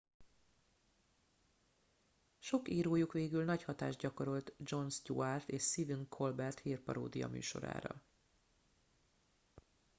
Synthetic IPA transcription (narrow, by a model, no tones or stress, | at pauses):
ʃo̞kiːɾoːjukʋeːɡylnɒchɒt̪a̰ːʒdɟɒko̞ɾo̞lt̪d͡ʒo̞nstṵart̪eːʃsid̪iŋkʰo̞lbɛrt̪hiːrpɒɾo̰ːd̪ijɒ̰my̰ːʃo̞̰ɾa̰ːɾɒ̰